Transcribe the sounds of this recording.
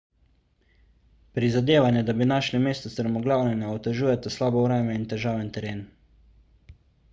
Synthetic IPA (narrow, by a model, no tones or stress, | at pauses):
pɾizad̪eːʋanjɛd̪abinaʃlimeːst̪ɔsɾɛmɔɡlaːwnɛnɛɔt̪ɛʒuːjɛt̪aslaːbɔwɾɛːmɛint̪ɛʒaːwʋɛnt̪ɛɾeːn